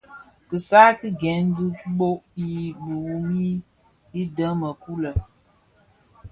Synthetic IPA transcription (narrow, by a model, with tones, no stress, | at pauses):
kɨ˨saː˦ki˦ɡɛ˨˦n˦dɨ˦ɓo˦ʔji˨bu˨wu˨mi˦ | i˦də˦mə˨ku˦lə˨